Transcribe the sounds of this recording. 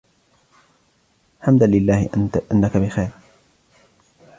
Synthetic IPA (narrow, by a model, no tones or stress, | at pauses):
ħamd̪anlɪlːaːhʔanːakabɪxajɾ